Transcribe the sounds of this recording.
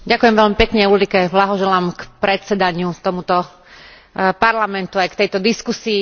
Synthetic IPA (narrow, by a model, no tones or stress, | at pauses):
ɟakujɛmʋɛʎmipɛkɲɛulikɛblaɦɔʒɛlaːmkpɾɛt̪t͡sɛd̪aɲɪut̪ɔmut̪ɔ | paɾlamɛnt̪uajkt̪ɛjt̪ɔd̪iskusiː